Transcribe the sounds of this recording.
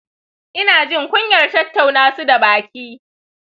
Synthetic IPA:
ʔɪ˦naː˨d͡ʒɪ˦ŋkʷʊ˦ɲjɐ˨rtɐ˦tːa˨wnaː˦su˦da˨baː˨kʲiː˦

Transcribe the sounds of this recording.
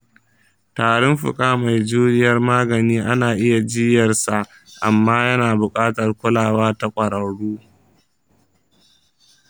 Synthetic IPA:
taː˨ɽɔ˦mɸʊ̰˨kʼaː˦ma˨jd͡ʒuː˦nɪ˦jɐ˦rmaː˦ɡɐ˨niː˦ʔa˦naː˨ʔɪ˦ja˨d͡ʒɪ˦jɐ˨rsa˨ʔ | ʔa˨mːaː˦jɐ˦naː˨bʊ˨kʼaː˦tɐ˨rkʷʊ˦laː˨waː˦ta˦kʷʼɐ˨ɽɐ˨ɽuː˦

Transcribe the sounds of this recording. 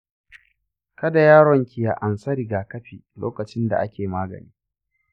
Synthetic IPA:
kɐ˦da˨jaː˦ɽɔ˨ŋkʲɪ˨ja̰˨ʔa˨nsɐ˦ɾi˨ɡaː˨kɐ˦ɸiː˨lo̰ː˦kɐ˨t͡ʃɪ˦nda̰˨ʔa˦kʲeː˨maː˦ɡɐ̰˨niː˦

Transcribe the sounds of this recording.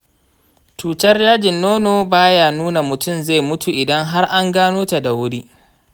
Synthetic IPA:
tuː˨tɐ˦rjaː˦d͡ʒɪ˨nːoː˦noː˨baː˦jaː˨nuː˦na˨mʊ˨tʊ˦mza˦˨jmʊ˦tu˨ʔɪ˨dɐ˦ŋɦa˦rʔa˦ŋɡaː˦noː˦ta˨da˨wʊ˦ɽiː˦

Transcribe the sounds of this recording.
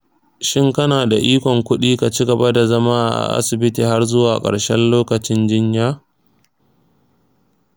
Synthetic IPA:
ʃɪ˦ŋkɐ˦naː˨da˨ʔiː˦kʷɔ˨ŋkʷʊ˦ɗiː˦ka˨t͡ʃɪ˦ɡɐ˨ba˦da˨zɐ˦maː˦ʔa̰˨ʔa̰˨ʔa̰˦sɪ˨bɪ˦tiː˨ɦa˦rzʊ˦waː˨kʼɐ̰˨ɽʃɛ˦nloː˦kɐ˨t͡ʃɪ˦nd͡ʒɪ˦ɲjaː˦

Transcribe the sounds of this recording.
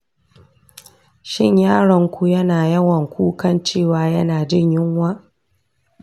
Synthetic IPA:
ʃɪ˦˨ɲjaː˦ɽɔ˨ŋkʷu˦jɐ˦naː˨jɐ˦wɐ˨ŋkʷu˦kɐ˦nt͡ʃeː˦˨waː˨˦jɐ˦naː˨d͡ʒɪ˦˨ɲjɪ˦ŋwaː˦

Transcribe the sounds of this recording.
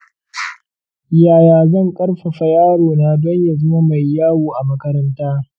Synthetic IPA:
jaː˨jaː˨zɐ˦ŋkʼɐ˦ɽɸa˨ɸɐ˨jaː˦ɽoː˨naː˨dɐ˦ɲja˨zɐ˦ma˦ma˨jːaː˦woː˨ʔa˨mɐ˦kɐ˦ɾɐ˦ntaː˦

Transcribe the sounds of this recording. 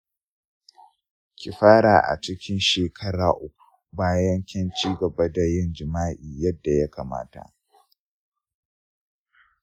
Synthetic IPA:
kʲi˨ɸaː˦ɽaː˨ʔa̰˨t͡ʃɪ˦kʲʰɪ˦nʃeː˨kʰɐ˦ɽaː˨ʔʊ˦kʷu̥˨baː˦jɐ˦ŋkʲɛ˦nt͡ʃiː˦ɡɐ˨bɐ˦da˨jɪ˦nd͡ʒɪ˨maː˦ʔiː˨jɐ˦dːa˨ja˦kaː˨ma̰ː˦ta̰˨ʔ

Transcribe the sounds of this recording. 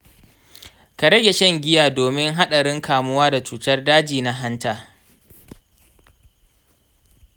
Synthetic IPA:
ka˨ɾɐ˦ɡʲe˨ʃɐ˦ŋɡʲɪ˦jaː˨doː˨mɪ˦ŋɦa˦ɗa˨ɽɪ˦ŋkaː˨mʊ˦waː˦da˨t͡ʃuː˨tɐ˦rdaː˦d͡ʒiː˨na˦ɦa˦ntaː˨

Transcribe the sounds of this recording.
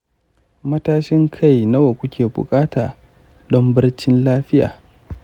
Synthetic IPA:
mɐ˦taː˦ʃɪ˦ŋkʰa˦˨jnɐ˦wa˨kʷʊ˦kʲʰeː˨bʊ̰˨kʼaː˦taː˨ | dɔ˦mbɪ˦rt͡ʃɪ˦nlaː˦ɸɪ˦ja̰ː˨

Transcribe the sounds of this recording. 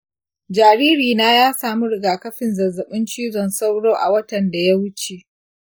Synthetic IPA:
d͡ʒaː˨ɾiː˦ɾiː˨naː˦jaː˦saː˨mu˦ɾɪ˨ɡaː˨kɐ˦ɸɪ˨nzɐ˨zːɐ˨ɓɪ˦nt͡ʃiː˦zɔ˨nsa˦wɽoː˦ʔa̰˨wɐ˦tɐ˨nda˨ja˦wʊ˦t͡ʃe˨ʔ

